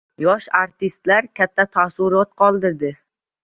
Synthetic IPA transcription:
jɒʃaɾt̪ʰɪst̪laɾkʲʰat̪ʰːat̪ʰasʊɾɒt̪̚qʰɒlˠd̪ɪɾd̪ɪ

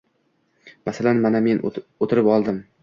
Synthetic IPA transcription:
masalanmaname̞not̪ʰɪɾɪpɒlˠd̪ɪm

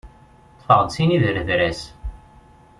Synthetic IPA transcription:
θˤfəʁd̪siniðəɾəðɾæs

